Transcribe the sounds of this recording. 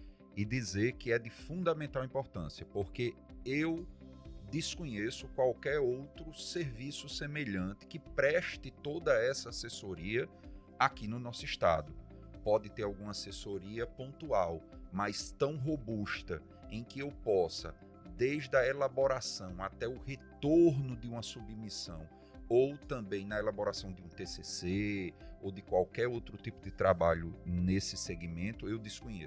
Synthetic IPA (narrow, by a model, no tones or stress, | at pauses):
ɪd̪izeɾkɪɛd̪ɪfũnd̪ɐmẽnt̪awĩpoɾt̪ɐ̰̃siɐpoɾkeew | d̪ɪskõɲesʊkwawkɛɾowt̪ɾʊseɾvisʊsemeʎɐ̃t̪ɪ̥kɪpɾɛʃt̪ɪt̪od̪ɐɛsɐasesoɾiɐ | akinʊnɔsʊiʃt̪a̰d̪ʊ | pɔd̪ɪt̪eɾawɡũmɐasesoɾiɐpõnt̪uawmajst̪ɐ̃w̃ɦobuʃt̪ɐ | ẽj̃kɪewpɔsɐ̰ | d̪ejʒd̪ɐelaboɾasɐ̃w̃at̪ɛʊhet̪oɾnʊd̪ɪũmɐsubmisɐ̃w̃ | owt̪ɐ̃mbẽj̃nɐelaboɾasɐ̃w̃d̪ɪũt̪eseseowd̪ɪkwawkɛɾowt̪ɾʊt̪ipʊd̪ɪt̪ɾabaʎʊnesɪseɡimẽnt̪ʊewd̪ɪskõj̃ḛsʊ